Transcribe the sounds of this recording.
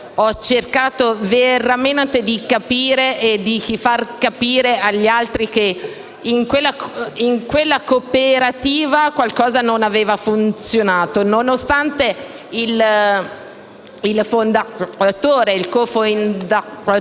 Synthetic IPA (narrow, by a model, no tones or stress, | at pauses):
ɔt͡ʃːerkaːt̪oveɾament̪ed̪ikapiːɾeʔed̪ik̟ifarkapiːɾeaʎːialt̪ɾik̟e | iŋkwelːaiŋkwelːakopeɾat̪iːvakwalkɔːzanonaveːvafunt̪sjonaːt̪ononost̪ant̪e | il | ilfond̪at̪oːɾeilkofoind̪a